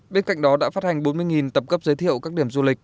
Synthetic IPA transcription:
ɓe˧nka̰˧˨ŋ̟ɗɔ˨˦ɗa̰ː˧˥faː˦˥t̚ha˨˩jŋ̟ɓo˨˦nmɨ˧əjŋi˨˩nt̪ə˨˩p̚kə˦˥p̚zəː˨˦t̪ʰi˧˨əwkaː˦˥k̚ɗi˧˩əmzu˧lï˨˩k̟̚

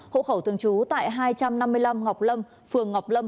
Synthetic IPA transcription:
ho̰˧˨xə˧˩wt̪ɨ˨əŋt͡ɕu˨˦t̪a̰ː˧˨jɦaː˧jt͡ɕa˧mna˧mːɨ˧əjla˧mŋa˨˩wk͡p̚lə˧m | fɨ˨˩əŋːa˨˩wk͡p̚lə˧m

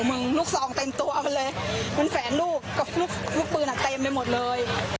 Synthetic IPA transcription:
mɯ˧ŋluː˥˩k̚sɔː˨˩˦ŋt̪e˧mt̪u˧ɐʔma˧nlɤː˧jma˧nfɛː˩˦nluː˥˩kːɔ˧˩lu˦˥˩k̚ʰu˥˩k̚p̪ɯː˧nʔa˨˩t̪e˧mlaː˧jmo˨˩t̪̚lɤː˧j

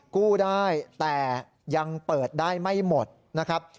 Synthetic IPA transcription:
kuː˥˩daː˥˩jt̪ɛː˨˩ | ja˧ŋpɤː˨˩t̪̚daː˥˩jma˥˩jmo˨˩t̪̚ | na˦˥kʰɾa˦˥p̚

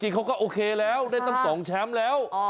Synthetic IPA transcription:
t͡ɕḭ˨˩xɔ˧˥ŋ͡mkɔː˨˦ʔoː˧kʰeː˧lɛː˨˦˥wna˧jt̪a˧˩msɔː˨˦ŋt͡ɕʰaː˨˦˥mlɛː˨˦˥w

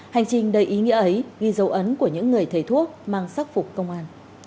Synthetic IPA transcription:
ha˨˩jŋ̟t͡ɕï˨˩ŋ̟ɗə˨˩jʔi˨˦ŋḭ˧˥ʔə˨˦jɣi˧zə˨˦wʔə˨˦nku˧˩əɲɨ̰˧˥ŋːɨ˨˩əjt̪ʰe˧˩t̪ʰu˦˥ək̚maː˧ŋsaː˦˥k̚fʊ˨˩k͡p̚kə˧wŋ͡mʔaː˧n

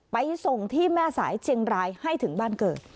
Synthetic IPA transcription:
pa˧jso˨˩ŋt̪ʰiː˥˩mɛː˥˩sa̰ː˩˦jt͡ɕʰi˧ŋɾaː˧jha˥˩jt̪ʰɯ˩˦ŋbaː˥˩nkɤː˨˩t̪̚

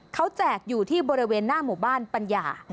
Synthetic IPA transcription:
kʰa˦˥wt͡ɕɛː˨˩k̚juː˨˩t̪ʰiː˥˩bɔː˧ɾi˦˥weː˧nːaː˥˩muː˨˩baː˥˩npa˧njaː˧

